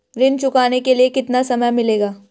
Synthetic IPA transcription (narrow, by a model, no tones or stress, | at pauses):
ɾɪnt͡ʃʊkaːnekeliekɪt̪nasɐməjmɪleːɡaː